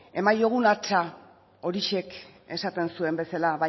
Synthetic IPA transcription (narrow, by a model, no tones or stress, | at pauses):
e̞majo̞ɣ̞unat͡ʃa | o̞ɾiʃe̞k | e̞sat̪e̞nsue̞mbe̞salaβa